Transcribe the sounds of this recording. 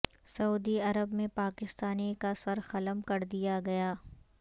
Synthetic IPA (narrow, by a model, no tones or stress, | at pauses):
sɐuːd̪iɐɾəbmẽpaːkɪst̪aːnikasɐɾxɐləmkɐɾd̪ijaɡɐjaː